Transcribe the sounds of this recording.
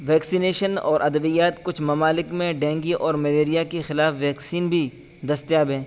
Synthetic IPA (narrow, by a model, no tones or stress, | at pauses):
ʋɛːksineːʃənɔ̰ːɾʔɐd̪əʋijaːt̪kʊt͡ʃʰmɐmaːlɪkmẽɖɛ̃ːŋɡiʔɔːɾmɐleːɾijakexɪlaːfʋɛːksiːnbʱi | d̪ɐst̪jaːbɦɛ̃ː